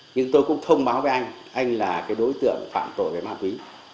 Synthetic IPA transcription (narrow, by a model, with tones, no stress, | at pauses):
ɲɨ˧ŋt̪o˧jkʊ̰˧˥ŋ͡mt̪ʰə˧wŋ͡mɓaː˨˦wve˨˦ʔa˧jŋ̟ | ʔa˧jŋ̟laː˨˩kaː˨˦jɗo˨˦jt̪ɨ̰˧˨əŋ˨˩fa̰ː˧˨mt̪o̰˧˩˨jve˨˩maː˧˩nkwi˨˦